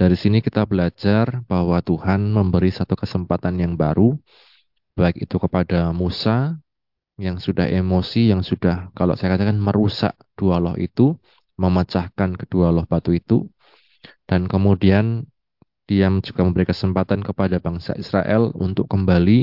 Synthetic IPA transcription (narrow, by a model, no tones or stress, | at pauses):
d̥aɾisinikit̪abəlad͡ʒarb̥ahwat̪uhanməmbəɾisat̪ukəsəmpat̪anjaŋbaɾu | b̥aɪk̚it̪ukəpadamusa | jaŋsudaɦemosijaŋsudahkalo̰ʔsajakat̪akanməɾusa̰ʔ | d̥ualɔhḭt̪u | məmat͡ʃahkankədualɔhb̥at̪uit̪ṵ | d̥ankəmudian | d̥iamd͡ʒuɡ̥aməmbəɾikəsəmpat̪ankəpadabaŋsa̰ʔisɾa̰ʔɛ̰lṵnt̪ʊkkːəmbali